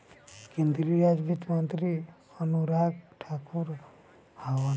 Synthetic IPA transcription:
kẽnd̪ɾiɾad͡ʒbit̪mənt̪ɾi | ənuɾaːɡʈʰaːkuɾ | hawən

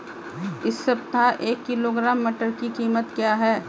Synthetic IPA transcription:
ɪsːɐb̚t̪aʔeːkːɪloːɡɾaːmːɐʈəɾkikiːmət̪kjaːɦɛː

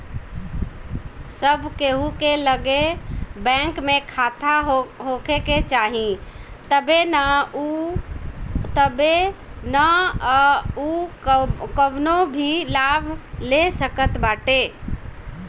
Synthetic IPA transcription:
səbʱkeɦukeləɡebɛ̃ŋkmekʰat̪ʰaɦɦokeket͡ʃaɦĩ | t̪əbenau | t̪əbena | u | kəbnobʱilabʱlesəkət̪baʈe

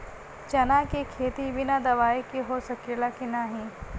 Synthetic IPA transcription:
t͡ʃɐnakekʰeːt̪ibʱɪnad̪ɐʋaːekiɦosɐkelaːkenaɦĩː

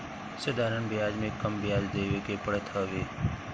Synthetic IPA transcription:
səd̪ʱaːɾəɳbjaːd͡ʒmẽkəmbɪjaːd͡ʒd̪eːʋekepəɽət̪ʰɦəʋeː

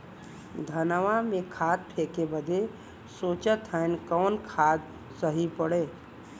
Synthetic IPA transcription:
d̪ʱənʋamẽkʰaːt̪̚pʰeːkebəd̪ʱe | soːt͡ʃət̪ʰɛnkɔːnkʰaːd̪ | səɦipəɽeː

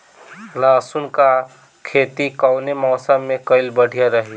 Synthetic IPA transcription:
laːsunka | kʰeːt̪ikɔwnemɔːsəmːẽkəɪlbəɽ̤ʱijaɾəɦi

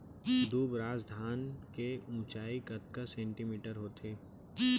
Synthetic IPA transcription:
d̪uːbɾaːzd̪ʱaːnkeũːt͡ʃaːikɐt̪kəsɛ̃ːɳʈimiːʈəɾɦoːt̪ʰeː

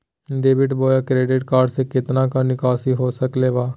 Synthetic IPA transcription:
ɖeːʋɪʈboːjakɾeːɖɪʈkaːɾɖsekɪt̪nãkanɪkaːsiɦoːsəkleːbaː

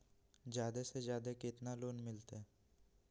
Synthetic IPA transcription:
d͡ʒjaːd̪esed͡ʒjaːd̪ekɪt̪naloːnmɪlt̪eɛ

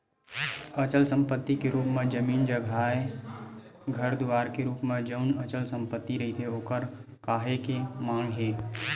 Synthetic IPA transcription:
ət͡ʃəlsə̃mpət̪ːikeɾuːpmẽd͡ʒəmiːnd͡ʒəɡʱaːe | ɡʱəɾd̪ʊʋaːɾkeɾuːpmẽd͡ʒəʊnət͡ʃəlsə̃mpət̪ːiɾəɦit̪ʰeoːkəɾ | kaːɦekemãːŋɡɦeː

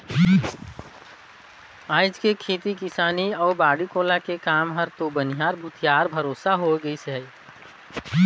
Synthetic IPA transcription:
aːd͡ʒkekʰeːt̪ikɪsaːniɔːɾbaːɽikoːlakekaːmɦɐɾt̪obənijaːɾbʱʊt̪ʰijaːɾbʱɐɾoːsaɦoɡəisɛ

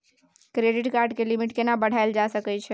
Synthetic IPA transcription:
kɾeɖiʈkaɾɖkelimiʈkenabəɽ̤aeld͡ʒasəkɛt͡ʃʰɛ

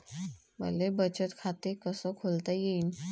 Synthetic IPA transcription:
bə̰lebət͡ɕət̪kʰat̪ekəsɔkʰolt̪ajein

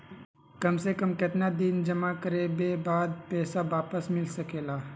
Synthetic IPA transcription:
kɐmsekɐmkɪt̪nad̪ɪnd͡ʒɐmakəɾebeːbaːd̪̚pɛːsaʋaːpəsmɪlsɐkeːlaː

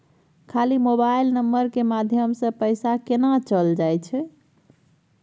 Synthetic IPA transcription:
kʰalimobajlnəmːəɾkemad̪ʱjəmsə̃pəjsakenat͡ʃəld͡ʒajt͡ʃʰɛ

